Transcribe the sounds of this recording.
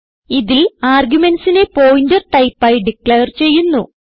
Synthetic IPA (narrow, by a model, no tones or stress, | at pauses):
iðilaːrɡjume̞nsinepo̞ːjindɐʈɐjpːaːjɖikleːɐrt͡ɕe̞jːunːu